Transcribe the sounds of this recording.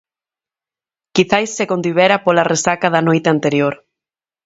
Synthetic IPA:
kiθajsːekond̪iβ̞ɛɾapolaresakaðɐnojt̪eant̪eɾjoɾ

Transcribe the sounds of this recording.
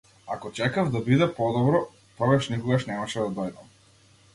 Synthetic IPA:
akɔt͡ʃɛkavd̪abid̪ɛpɔd̪ɔbɾɔ | pɔɡaʃnikɔɡaʃnɛmaʃɛd̪ad̪ɔjd̪am

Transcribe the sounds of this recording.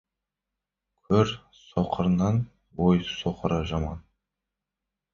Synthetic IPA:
kʲʰɵɾ | soqʰəɾnɑn | wojsoqəɾəʒɑmɑ̰n

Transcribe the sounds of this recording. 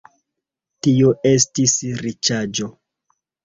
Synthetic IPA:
tioʔe̞stisɾit͡ʃad͡ʒo̞

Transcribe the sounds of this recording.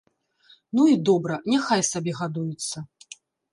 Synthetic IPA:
nuid̪ɔbɾɐnʲɛxajsabʲɛɣad̪ujut̪sːɐ

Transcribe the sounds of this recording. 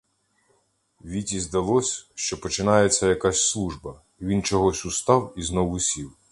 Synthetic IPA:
ʋʲitʲizd̪ɐlˠɔsʲʃt͡ʃɔpɔt͡ʃɪnɑjet͡sʲːɐjɐkasʲslˠuʒbɐ | iʋʲint͡ʃɔɦɔsʲʊst̪ɑwiznɔwʊsʲiw

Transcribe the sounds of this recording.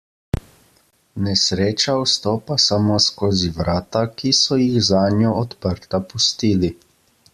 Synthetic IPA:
nɛsɾeːt͡ʃawst̪oːpasamoːskoːziʋɾaːt̪akisɔjixzaːnjɔɔt̪pəɾt̪apust̪iːli

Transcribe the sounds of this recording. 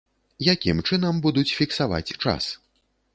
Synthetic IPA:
jakʲimt͡ʂɨnɐmbud̪ut͡sʲfʲiksava̰t͡sʲt͡ʂa̰s

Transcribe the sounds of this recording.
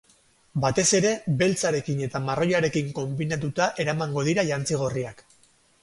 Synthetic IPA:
bat̪e̞se̞ɾe̞be̞lt͡saɾe̞kine̞t̪amaro̞jaɾe̞kiŋko̞mbinat̪̬ut̪aʔe̞ɾamaŋɡo̞ð̞iɾaʎant͡siɣ̞o̞riak

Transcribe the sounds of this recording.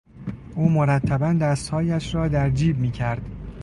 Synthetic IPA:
ʔuːmoɾæt̪ʰːæbænd̪æst̪hɒːjæʃɾɒːd̪æɾd͡ʒiːbmiːcʰæɾd̪̥

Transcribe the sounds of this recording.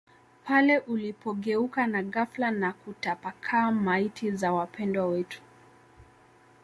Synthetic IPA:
pʰalɛʔulipɔɠɛukanaɣaflanakutapakʰaːmaitʰizawapʰɛndwawɛtu̥

